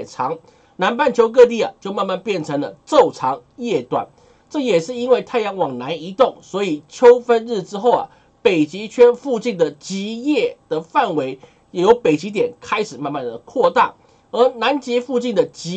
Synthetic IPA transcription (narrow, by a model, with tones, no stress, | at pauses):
ʈ͡ʂʰɑ˧˥ŋ | na˧˥npa˥˩˨nt͡ɕʰjo˧˥ʊk̬ɤ˥˧t̪̬i˥˩ɐ̰˩t͡ɕjo˥˧ʊma˥˧nma˥˧npjɛ˥˨˩nʈ͡ʂʰɤ˧˥ŋlə˨t͡so˥˩ʊʈ͡ʂʰɑ˧˥ŋjɛ˥˩t̪wa̰˨˩˦n | ʈ͡ʂɤ˥˩jɛ˨˩ʂɻ̩˥˩i˥nwe˥˧ɪt̪ʰa˥˩ɪjɑ˧˥ŋwɑ˨˩ŋna˧˥ni˧˥t̪ʊ˥˩ŋswɔ˧˥i˨˩t͡ɕʰjo˥ʊfə˦˥nɻɻ̩˥˩ʈ͡ʂɻ̩˥xo˥˨˩ʊɐ̰˨˩ | pe˨˩ɪt͡ɕi˧˥t͡ɕʰɥɛ˥nfu˥˧t͡ɕi˥˩nd̪ə˩t͡ɕi˧˥jɛ˥˩d̪̥ə˩fa˥˩nwe˧˥ɪ | jɛ˨˩jo˧˥ʊpe˨˩ɪt͡ɕi˧˥t̪̬jɛ˨˩nkʰa˥ɪʂɻ̩˨˩ma˥˧nma˥˩nd̪ə˩kʰwɔ˥˧t̪a̰˥˩ | ə˞˧˥na˧˦nt͡ɕi˧˥fu˥˧t͡ɕi˥˩nd̪ə˩t͡ɕi˧˥